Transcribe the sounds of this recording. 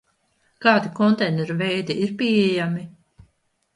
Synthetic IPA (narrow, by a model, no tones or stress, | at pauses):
kaːd̪ikɔnt̪ɛjnɛɾuvɛjd̪iiɾpʲiɛjami